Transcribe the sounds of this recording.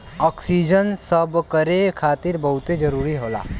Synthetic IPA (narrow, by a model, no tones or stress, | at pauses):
ɔːksiːd͡ʒənsəbkəɾekʰaːt̪ɪɾbɐɦʊt̪ed͡ʒɐɾuːɾiɦoːla̰ː